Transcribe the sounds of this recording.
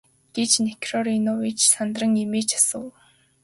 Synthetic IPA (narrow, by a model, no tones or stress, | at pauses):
ɡ̥et͡ɕnekʰrɔɾinɔwit͡ɕsant̪rə̆ŋemeːt͡ɕʰḁsə̆w